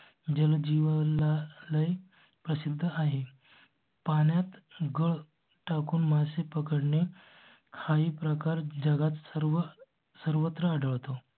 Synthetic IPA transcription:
d͡ʑəld͡ʑiʋalaləj | pɾəsid̪ʱːəaɦe | paɳjat̪ɡəɭ | ʈakuːnmasepəkəɽne | kʰaiːpɾəkaɾd͡ʑəɡat̪səɾʋə | səɾʋət̪ɾəəɖəɭt̪o

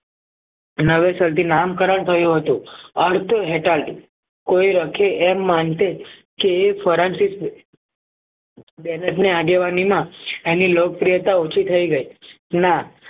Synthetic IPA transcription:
nəʋesəlt̪inamkəɾəɳ̃t̪ʰəjũɦət̪ũəɾt̪ʰəɦeʈalɖ | koiɾəkʰeʔɛmːant̪ekeːfʰəɾansis | bɛnəʈneaɡeʋanimãenilok̚pɾijət̪aot͡ʃʰit̪ʰəiɡəi | na

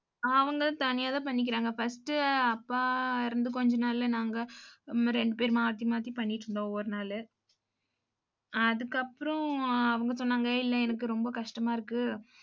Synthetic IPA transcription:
ɐʋɐŋɡɐt̪ɐnɪjaːðãːp̬ɐɳːɪk̬ːɪɾaːŋɡɐfɐsʈɯɐpːaːɪɾɯnd̪ɯkɔɲd͡ʒɐnaːlɪlnaːŋɡɐɾɛɳɖɯpeːɾmaːt̪ːimaːt̪ɾipɐɳːɪʈɾɯɳɖõːoːɾɯnaːlɯ | ɐðɯkːɐpːɯɾɔ̃ɐʋɐŋɡɐsɔnːaːŋɡɐɪlːɐɛnɐkːɯɾɔmbɐkɐʂʈɐmaːɪɾɯkːɯ

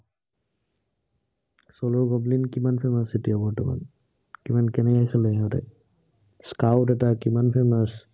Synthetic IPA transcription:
sɔlɔɡɔblinkimanpʰemasetiɔbɔtɔma̰n | kimankɛnɛkajkʰalɛɦɔtɛ̰ | skawtɛtakimanpʰemas

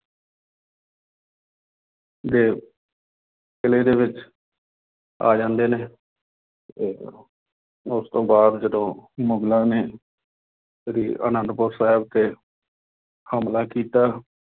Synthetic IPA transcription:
d̪eː | kɪleːd̪eːʋɪt͡ʃ | a̰ːd͡ʒãːnd̪eːneː | eː | ʊst̪õːbaːd̪d͡ʒəd̪õːmʊŋɡlãːneː | əɾiːə̰ːnənd̪pʊɾsaːɪb̚t̪eː | həmlaːkiːt̪aː

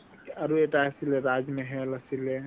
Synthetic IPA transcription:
ɐɾueʈaɐsileɾaːd͡ʒmẽɦɛlɐsile

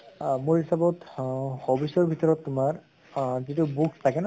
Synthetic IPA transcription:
muɹhisabɔtxɔbisɔɹbʱitɔɹɔtːʊmaɹ | zitubukstʰakɛna

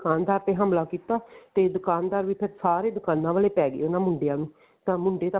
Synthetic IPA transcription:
kaːnd̪aːɾt̪eːɦəmlaːkiːt̪aːt̪eːd̪ʊkaːnd̪aːɾʋiːpʰɪɾsaːɾeːd̪ʊkaːnːãːʋaːleːpɛːɡḛːonãːmʊɳɖejãːnũː | t̪ãːmʊɳɖeːt̪ː

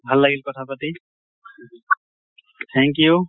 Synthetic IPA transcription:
bʱɐlːaɡilkɔʈʰapət̪i | t̪ʰɛ̃ŋkju

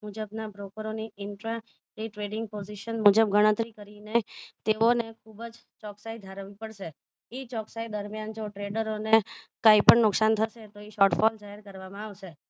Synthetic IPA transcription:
mud͡ʒəbnabɾokəɾoniɪɳʈɾa | ʈiʈɾeɖɪŋɡ̚poziʃənmud͡ʒəb̚ɡəɽ̃ə̃t̪ɾikəɾinet̪eonekʰubəd͡ʒ | t͡ʃɔksajd̪ʱaɾəʋipəɽʃe | it͡ʃɔksajd̪əɾmjand͡ʒoʈɾeɖəɾonekaipəɳnʊksant̪ʰəʃet̪oiʃɔʈfɔld͡ʒaɦɛɾkəɾʋamãaʋʃe

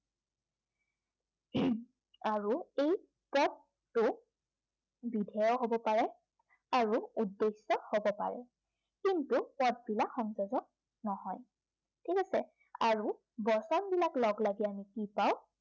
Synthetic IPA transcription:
aɹuej | pɔt | tʊ | bidʱɛjɔɦobɔpaɹɛ | aɹuudːesːɔhobɔpa̰ɹɛ̰ | kintupɔt̚bilakxɔŋzɔzɔk̚ | nɔɦɔj | tʰikasɛ | aɹu | bɔsɔnbilaklɔɡlaɡɛamikipaw

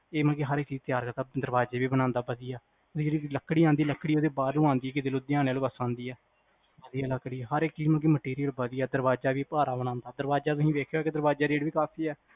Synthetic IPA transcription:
eːməlkeːɦəɾeːkt͡ʃiːzt̪ɪjaːɾkəɾt̪aːd̪əɾbaːd͡ʒeːʋiːbənãːnd̪aːbəd̪ijaː | eːd͡ʒeːɽiːləkːɽiːãːnd̪iːləkːɽiːoːd̪eːbaːd̪ʊãːnd̪iːɛkɪd̪eːloːd̪ɪjaːnːaːloːbəsãːnd̪iːɛː | bəd̪ijaːləkːɽiːɛɦəɾekt͡ʃiːməlːk̬iːməʈeːɾijəlbəd̪ijɛːd̪əɾbaːd͡ʒaːʋiːpaːɾaːbənãːnd̪aːd̪əɾbaːd͡ʒaːt̪ʊsĩːʋeːkʰjoːɛːkɪd̪əɾbaːd͡ʒaːɾeːɖʋiːkaːpʰiːɛː

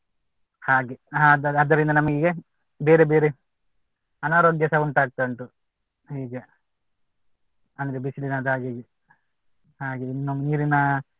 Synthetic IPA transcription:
haːɡead̪ɐɐd̪ːɐɾind̪ɐnɐmɐɡiɡe | beːɾebeːɾe | ɐnaːɾoɡjɐsɐuɳʈaːɡ̚t̪ɐɳʈu | ɦiːɡe | ɐnd̪ɾebisilinad̪aːɡeɡi | haːɡeuniːɾina

